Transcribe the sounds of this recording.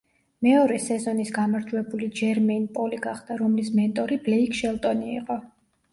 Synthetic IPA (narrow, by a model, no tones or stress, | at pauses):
mɛɔɾɛsɛzɔnisɡamaɾd͡ʒwɛbulid͡ʒɛɾmɛnpʼɔliɡaχd̪aɾɔmlismɛnt̪ʼɔɾiblɛikʼʰʃɛlˠt̪ʼɔnḭːqʼɔ